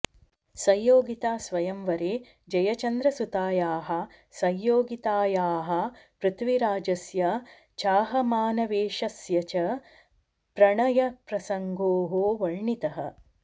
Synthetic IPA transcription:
sɐjjoːɡit̪aːsʋɐjɐmʋɐɾeː | d͡ʒɐjɐt͡ʃɐnd̪ɾɐsut̪aːjaːɦɐ | sɐjːoːɡit̪aːjaːɦɐ̆pɾɨt̪ʋiɾaːd͡ʒɐsjɐ | t͡ʃaːɦɐmaːnɐʋeːʃɐsjɐt͡ʃɐ | pɾɐɳɐjɐpɾɐsɐŋɡoːɦoːʋɐɻɳit̪ɐɦɐ

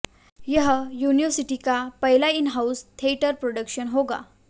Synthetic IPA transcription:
jəɦəjunijəsiʈikapəɦilainɦaust̪ʰeiʈəɾpɾoɽəkɕənɦoɡa̰

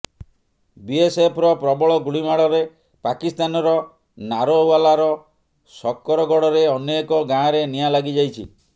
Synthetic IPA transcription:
biesepʰɾɔpɾɔbɔɭɔɡuɽimaɭɔɾe | pakist̪anɔɾɔ | naɾowalaɾɔ | sɔkːɔɾɔɡɔɽɔɾeɔnekɔɡãɾenijalaɡid͡ʒajt͡ʃʰḭ

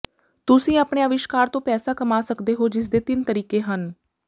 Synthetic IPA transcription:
t̪ʊsĩːaːpɳeaːʋɪʃkaːɾt̪õːpɛːsaːkəmaːsəkd̪eːɦoːd͡ʒɪs̬d̪eːt̪ɪnt̪əɾiːkeːɦən

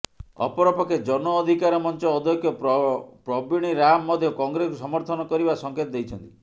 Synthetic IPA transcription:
ɔ̰pɔɾɔpɔked͡ʒɔnɔːd̪ʱikaɾɔmɔnt͡ʃɔːd̪ʱjɔkʰjɔpɾɔbiɽ̃iɾamːɔd̪ʱjɔkɔŋɡɾeskusɔmɔɾt̪ʰɔnɔkɔɾibasɔŋkʰet̪ɔd̪ejt͡ʃʰɔnt̪i̥

